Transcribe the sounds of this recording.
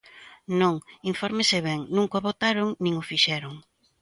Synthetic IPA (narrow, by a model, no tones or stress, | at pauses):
nõŋiɱfɔɾmesɪβɛŋnũŋkoβot̪aɾʊŋnĩŋʊfiʃɛɾʊŋ